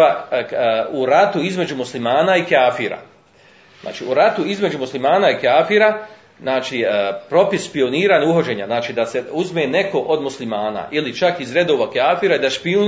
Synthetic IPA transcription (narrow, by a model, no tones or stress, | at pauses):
a | uɾat̪uizme̞d͡ʑumuslimaːnaikaːfiɾa̰ | zna̰ːt͡ʃḭuɾat̪uizme̞d͡ʑumuslimaːnaikaːfiɾa | znaːt͡ʃiːpɾo̞pisʃpio̞niːɾaːɲauɦod͡ʒe̞ːɲa̰znaːt͡ʃiːd̪ase̞uzme̞ːne̞ko̞ʔod̪muslimaːna̰ʔilit͡ʃakizɾe̞d̪o̞ːʋakjaːfiɾaid̪aʃpiu